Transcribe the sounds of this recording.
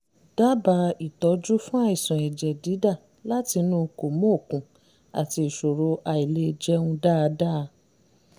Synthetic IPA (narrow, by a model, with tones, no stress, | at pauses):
d̥a˦ba˧˦i˨tɔ˨˦d͡ʒu˦fũ˦a˦˨i˨sɔ̃˨ɛ˨d͡ʒɛ˨di˨˦da˦˨ | la˦ti˧nũː˦ko˨mõ˦o˦˨kũ˨˦ | a̰˨ti˧i˨ʃo˨ɾo˧ʔa˧i˨le˧d͡ʒɛ˦ũ˧da˦˧da˦˧